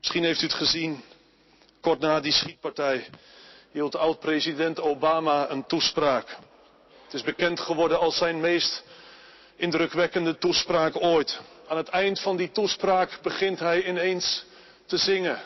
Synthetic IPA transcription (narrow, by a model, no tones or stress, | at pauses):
mɪsχinɦejftyətχəzin | kɔɹtnaːdisχit̚paɹtɛj | hilˠtawt̚presidɛntowbaːmaəntuspraːk | ətɪzbəkɛntχəʋɔɹdəɑlˠsɛjnmejst | ʔɪndrɵkʋɛkəndətuspraːkoːjtaːnɦətɛjntfɑndituspraːkbəχɪntɦɛjɪnejns | təzɪŋə